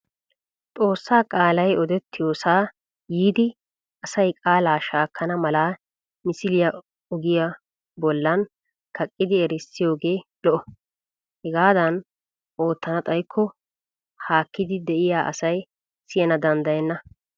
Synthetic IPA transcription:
t̪ʼo̞ːsːaːkʼaːlɐjɔd̪ɛt̪ːɪjoːsaː | jiːd̪ɪ | ɐsɐjkʼaːlaːʃaːkːɐnɐmɐlaː | mɪsɪlɪjɐ | ɔɡɪjɐ | bɔlːɐn | kʰɐkʼːɪd̪ɪɛɾɪsːɪjo̞ːɡe̞ːlɔʔɔ | hɛɡaːd̪ɐn | ʔoːt̪ːɐnɐt̪ʼɐjkʰːɔ | haːkːɪd̪ɪd̪ɛʔɪjaːʔɐ̰sɐj | sɪjɛnɐd̪ɐnd̪ɐjɛnːɐ

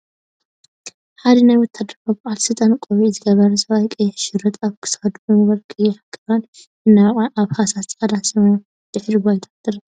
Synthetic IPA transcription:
ħad̪inajwɔt̪ʰːad̪ɐfɐbaʔalsɨlt̪ʼankʼoβizɨɡɐβɐɾɐsɐβajkʼɨjɛʃɪɾɐt̪ʰʼaβkʰɨ̥sxɐd̪unwɐlkʼɨjːɛħakʼːɨβan | ɨnːaʔaβhasaskʼɐd̪asɐmɐjo | d̪̥ɨħɾiɡajt̪ʰḁt̪ʼːɨɾɐ

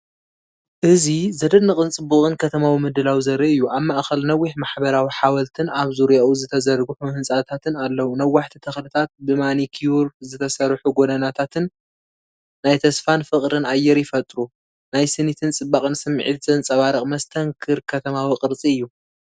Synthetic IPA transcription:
ʔɨzizɐd̪ɐdnɨχʼɨnt͡sʼɨbːuχʼɨnkʰɐt̪ʰɐmawimɨd̪ɨlawizɐɾɐʔɨjːuʔaβmaʔxɐlnɐwːiħmaħbɐɾawiħawɐlt̪ʰɨnaβzuɾjaʔuzɨt̪ʰɐzɐɾɡuħumhɨnsʼat̪ʰat̪ʰɨnalːɐwunawːaħt̪ʰit̪ʰɐxlɨt̪ʰat̪̚bɨmanikʰijuɾzɨt̪ʰɐsɐɾħuɡod̪ɐnat̪ʰat̪ʰɨnː | ajt̪ʰɐsfanfɨqʼɾɨnajːɛɾjɪfɐt̪ʼɾu | najsɨnit̪ʰɨnt͡sʼɨbːaχʼɨnsɨmːʕḭt̪t͡sʼɨnt͡sʼɐβaɾɐχʼmɐst̪ʰɐŋkʰɨɾkʰɐt̪ʰɐmawiqʼɨɾt͡sʼiɨjːu

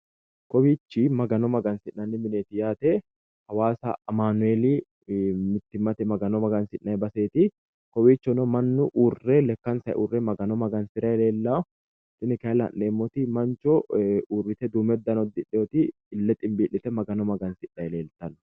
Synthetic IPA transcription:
kɔbiːt͡ʃːimɐɡɐnɔmɐɡɐnsɪʔnɐnːɪmɪneːt̪ɪjaːt̪e | hɐwaːsɐ̰ːmaːnʊeːliː | mɪt̪ːɪmːɐt̪ɛmɐɡɐnɔmɐɡɐnsɪᶑːɐjbɐseːt̪i | kɔbiːt͡ʃːɔnɔmɐnːʊʔuːrːelɛkːɐnsɐɛ̰ʔuːrːɛmɐɡɐnɔmɐɡɐnsɪɾɐjle̞ːlːa | t̪ɪnɪkɐlɐ̰nːeːmːɔt̪imɐnt͡ʃɔuːrːɪt̪ɛd̪uːmɛd̪ːɐnɔd̪ːɪᶑɔt̪ɪː | lːɛt̪ʼɪmbiːlːɪt̪ɛmɐɡɐnɔmɐɡɐnsɪʔːɐjɛle̞ːlt̪ɐn

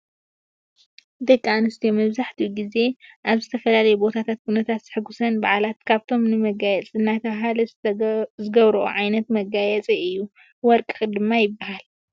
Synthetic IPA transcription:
d̪ɐkʼːanɨst̪ʰijomɐβzaħt̪ʰiɡize̞ʔaβzɨt̪ʰɐfɐlalɐjɛbo̞t̪ʰat̪ʰat̪̚kʰunɐt̪ʰat̪z̥ɨ̥ħɨɡːusɐnbaʕlat̪kʰaβt̪ʰo̞mnɨmɐɡajɛt͡sʼɨnːat̪ʰɐɦalɐ | zɨɡɐβɾɐʔṵʕajnɐt̪mɐɡajɛt͡sʼiɨjːu | wɔɾkʼɨxʼɨd̪ɨmːajɪbaɦal

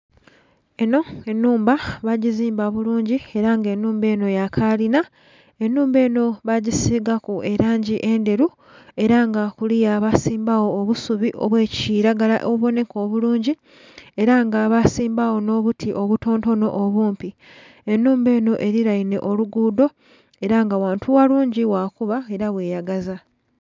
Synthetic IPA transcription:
e̞no̞e̞nːuːmbaβaɟiziːmbaβuluːɲɟie̞ɾaŋɡe̞nːuːmbe̞ːno̞jakʰalina | e̞nːuːmbe̞ːno̞βaɟisiɡakue̞ɾaːɲɟiʔe̞nde̞ɾu | e̞ɾaŋɡakulijaːβasiːmbawo̞ːβusuβiʔoβwe̞ːciɾaɡala̰ʔoβuβo̞ne̞ko̞ːβuluːɲɟi | e̞ɾaŋɡaːβasiːmbawo̞no̞ːβutʰiʔo̞βuto̞ːnto̞no̞̰ʔːβuːmpi | e̞nːuːmbe̞ːno̞ʔe̞ɾiɾaine̞̰ʔo̞luɡuːdo̞ | e̞ɾaŋɡawaːntʰuwaluːɲɟiwakuβae̞ɾaβwe̞ːjaɡaza

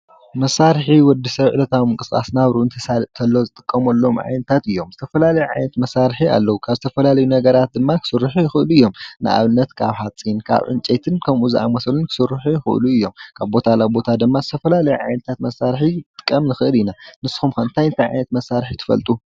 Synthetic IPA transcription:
mɐsaɾħiwɔd̪isɐβʕɨlɐt̪ʰawmɨŋkʼɨskʼa̰snaβɾunt̪ʰɐsat̪ʰɐlːozɨt̪ʼɨkʼːɐmɐlːo̞mʕa̰jnɐt̪ʰat̪ɨjːo̞mzɨt̪ʰɐfɐlalɐjuʕa̰jnɐt̪mɐsaɾħia̰lːɐwukʰaβzɨt̪ʰɐfɐlalɐjunɐɡɐɾat̪̚d̪ɨmːakʰɨ̥sɨɾːɨħujɪxɨʔɨluɨjːo̞mnɨ̰ʔa̰βɨnːɐt̪kʰaβhat͡sʼinkʰa̰βʕɨ̰nt͡ʃʼet̪ʰɨnkʰɐmʔuziʔa̰mɐsɐlunkʰɨ̥sɨɾːɨħujɪxɨ̰ʔluɨjːo̞mkʰaβbo̞t̪ʰalabo̞t̪ʰad̪ɨmːazɨt̪ʰɐfɐlalɐjuʕajnɐt̪ʰat̪mɐsːaɾħit̪ʼɨ̥kʼːɐmnɨxɨʔɨlinanɨsːxumkɐɨnt̪ʰajɨnt̪ʰajʕa̰jnɐt̪mɐsːaɾħit̪ʰɨ̥fɐ̰lt̪ʼu

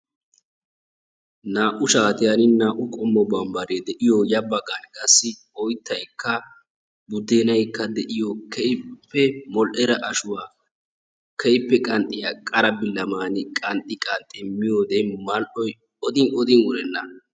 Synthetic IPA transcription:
naːʔʊʃaːt̪ɪjanɪnaːʔʊkʼɔmːɔbɐmbɐɾed̪ɛʔɪjɔjɐbɐɡʼɐnkʼɐsːɪ | ɔjt̪ːɐjkːɐ | bʊd̪ːeːnɐjkːɐd̪ɛʔɪjɔkʰɛjpːɛmɔlʔɛɾɐʔɐʃʊwaː | kʰɛjpːɛkʼɐnt̪ʼɪjakʼɐɾɐbɪlːɐmaːnɪkʼɐnt̪ʼːɪkʼɐnt̪ʼːɪmɪjoːd̪ɛmɐlʔɔj | ɔd̪ɪnɔd̪ɪnʊɾɛnːɐ

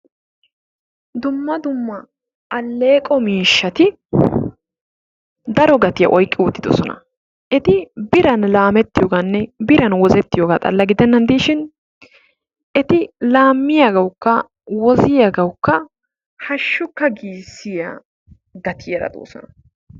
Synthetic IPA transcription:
d̪ʊmːɐd̪ʊmːɐ | ɐlːeːkʼɔmiːʃːɐt̪ɪ | d̪ɐɾɔɡɐt̪ɪjɐ̰ʔɔjkʼːɪʊt̪ːɪd̪ɔ̰sɔnɐ̰ | ʔɛt̪ɪbɪɾɐnlaːmɛt̪ːɪjɔɡanːɛbɪɾɐnwɔzɛt̪ːɪjoɡaːt̪ʼɐ̰lːɐɡɪd̪ɛnːɐnd̪iːʃɪn | ʔɛt̪ɪlaːmːɪjaːɡɐwʊkːɐ | wɔzɪjaːɡɐwʊkːɐ | hɐʃːʊkːɐɡiːsːɪjaː | ɡɐt̪ʰɪjɛɾɐ̰d̪o̰ːsɔ̰nɐ

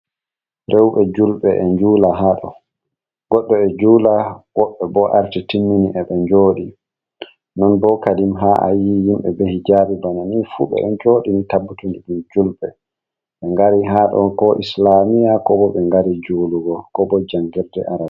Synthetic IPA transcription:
ɾʔɛwɓɛd͡ʒulɓɛʔɛɲd͡ʒuːlaɦaɗɔ̰ | ɡ̥ɔɗːɔɛd͡ʒuːlawɔɓːɛbɔʔaɾtitimːiniʔɛɓɛɲd͡ʒoːɗi | nɔnbɔkadimɦaʔa̰jijimɓɛ̰behid͡ʒabibananifuɓɛ̰ɛɲd͡ʒoːɗinitabːutundiɗumd͡ʒulɓɛ | ɓɛŋɡaɾiɦaɗɔkɔʔislamijakɔbɔɓɛŋɡaɾid͡ʒuːluɡɔkɔbɔd͡ʒaŋɡɛɾdɛʔaɾa

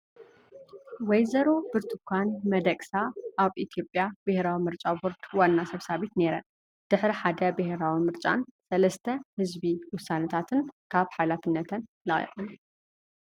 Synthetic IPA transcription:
wɔjzɐɾo̞bɨɾt̪ʰɨkʰʷanmɐd̪ɐkʼsaʔaβʔit̪ʰijo̞pʼjab̥ɨheɾawimɨɾt͡ʃʼaboɾt̪wanːasɐβsaβit̪ne̞ɾɐn | d̪̥ɨħɾiħad̪ɐbɨheɾawimɨɾt͡ʃʼa̰nsɐlɐst̪ʰɐhɨzbiwʊsːanɐt̪ʰat̪ʰɨnkʰaβħajlafɨnːɐt̪ʰɐn | lɨχʼḭʔʼɨn

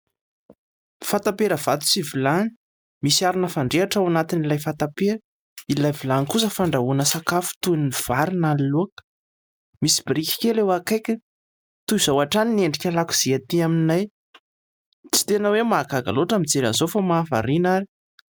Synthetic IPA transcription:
fant̪apeɾəv̥at̪u̥sivilani̥ | misiaɾinəfaɳɖ͡ʐeaʈ͡ʂawanat̪inilajfat̪apeɾə | ilajvilanikus̬əfaɳɖ͡ʐaunəsakafu̥t̪univ̥aɾinaliluakə̥ | misi̥biɾikʲi̥kʲelewakajkʲə | t̪uiz̥awaʈ͡ʂanineɳɖ͡ʐikʲalaku̥z̥iat̪iamninaj | t͡si̥t̪enəwemakaɡa̰loʈ͡ʂamit͡seɾa̰nzofamaːfa̰ɾinaɾi

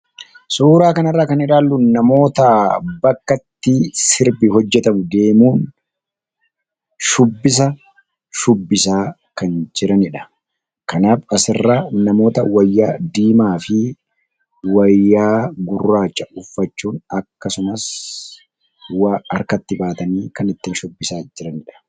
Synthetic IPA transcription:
suːɾaːkɐnɐrːaːkɐnɪᶑaːlːʊnɐmo̞ːt̪ɐbɐkːɐt̪ːɪsɪɾbɪhɔd͡ʒːɛt̪ɐmʊd̪e̞ːmuːn | ʃʊbːɪs̬ɐ | ʃʊbːɪsaː | kɐnd͡ʒɪɾɐnɪᶑɐ̥ | kɐnaːfɐsɪrːanɐmo̞ːt̪ɐwɐjːaːd̪iːmaːfɪ | wɐjːaːɡʊrːaːt͡ʃːɐʊfːɐt͡ʃːuːnɐkːɐsʊnɐs | waɐɾkɐt̪ːɪbaːt̪ɐniːkɐnɪt̪ːɪnʃʊbːɪsaːd͡ʒɪɾɐnɪᶑɐ̥

